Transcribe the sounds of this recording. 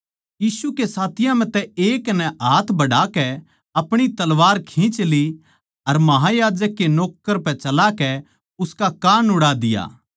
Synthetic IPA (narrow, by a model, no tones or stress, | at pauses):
jiːsukesaːt̪ʰɪjãm̤ɛ̃t̪ɛeːknɛʔaːt̪ʰbɐɽakɛ | ɐpɽ̃it̪ɐlʋaːɾkʰĩt͡ʃli | ɐɾmɐɦajaːd͡ʒəkːenoːkːəɾpɛt͡ʃɐlakɛ | ʊskakaːnʊɽad̪ɪja̰ː